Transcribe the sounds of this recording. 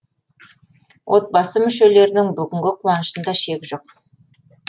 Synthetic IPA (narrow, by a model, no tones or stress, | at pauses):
wʔo̞t̪̚bɑsəmʏʃe̞le̞ɾɪd̪ɪŋbʏɡʲɪŋɡʲɪqʰuwɑnəʃənd̪ɑʃe̞kʲʒo̞q̚